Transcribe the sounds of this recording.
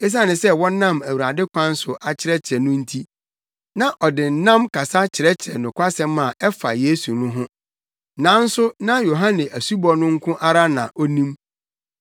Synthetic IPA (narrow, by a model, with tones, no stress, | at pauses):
e˦s̬a˦˨nɪ̃˨sɛ˦wɔ̃˦nã˦˨mæ˨wu˨ɾa˨dɪ˦kʷʰã˦n̩˦sʊ˨ʔa˨t͡ɕʰɪ˦ɾɛ˦t͡ɕʰɪ˨ɾɛ˨nʊ̃˦n̩˦tʰi˦ | nã˨ʔɔ˨dɪ˨n̩˨nã˦mkʰa˨sa˦t͡ɕʰɪ˨ɾɛ˦t͡ɕʰɛ˨nʊ̃˨kʷʰa˦sɛ̃˦mːã˨ʔɛ˦fa̰˨jeː˦su˨nʊ̃˦ɦʊ̃˦ | nã˨˦n̩˦sʊ˦nã˦jo˨ɦã˦nɛ̃˨ʔæ˨su˦bɔ˦nʊ̃˦ŋ̩˦kʰʊ̃˦ʔa˦ɾa˦nã̰˨ʔɔ˦nĩ˦m